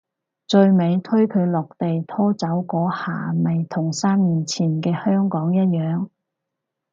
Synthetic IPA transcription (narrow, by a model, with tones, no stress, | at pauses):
t͡ʃɵ˧ɥme˨˧jt̪ʰɵ˥ɥkʰɵ˨˧ɥlɔː˨k̚t̪e˨jt̪ʰɔː˥t͡sɐ˨˥wkɔː˨˥ha̰ː˨˩mɐ˨jt̪ʰʊ˨˩ŋsaː˥mmiː˨nt͡sʰiː˨˩nkɛː˧hœː˥ŋkɔː˨˥ŋjɐ˥t̚jœː˨˧ŋ